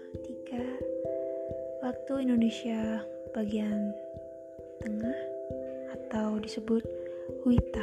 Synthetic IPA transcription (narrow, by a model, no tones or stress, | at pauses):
t̪ika | wak̚t̪uindonesja | paɡiaŋ | t̪əŋahat̪awdisəbʊt̪̚wit̪a